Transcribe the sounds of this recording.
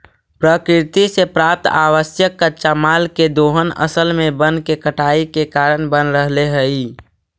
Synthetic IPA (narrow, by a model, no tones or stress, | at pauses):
pɾəkɾɪt̪isepɾaːp̚t̪a̰ːʋəsjəkːəʃamaːlked̪oːɦənə̰səlmẽbənkekəʈaːikekaːɾənbənɾəɦleɦəi